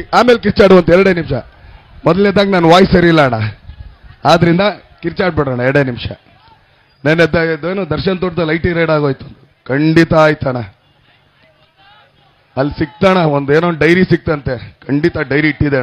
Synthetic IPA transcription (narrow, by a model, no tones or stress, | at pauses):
aːmeːlkiɾt͡ʃaːɽuʋɐnt̪ɛɾɐɽeːnimʂɐ | mɔd̪ɐled̪ːaːɡenaːnʋaːjsɐɾilːaɳɐ | aːd̪ɐɾind̪ɐ | kiɾt͡ʃaːɽ̚bɛɽaːɳɐɛɾɐɽeːnimʂɐ̰ | nenːed̪aːd̪eːnoːd̪ɐɾʃɐnt̪oʈd̪ɐlɐjʈiɾeːɽaːɡo̞ːjt̪uɐnd̪u | kɐɳɖit̪ɐaːjt̪aɳɐ | ɐlːisik̚t̪aːɳɐond̪eːnoːnɖɐjɾisik̚t̪ɐnt̪ekʰɐɳɖit̪ɐɖɐjɾiiʈːid̪enɐ